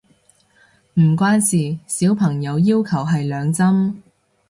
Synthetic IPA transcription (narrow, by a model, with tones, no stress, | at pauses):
m̩˨˩kʷaː˥nsiː˨˩siː˨˥wpʰɐ˨˩ŋjɐ˨˧wjiː˥wkʰɐ˨˩wɦɐ˨jlœː˨˧ŋt͡sɐ˥m